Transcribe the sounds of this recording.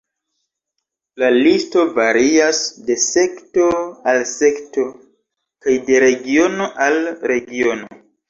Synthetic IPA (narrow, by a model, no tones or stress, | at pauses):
lalisto̞vaɾiasde̞se̞kto̞alse̞kto̞ | kajde̞ɾe̞ɡio̞no̞ʔalɾe̞ɡio̞no̰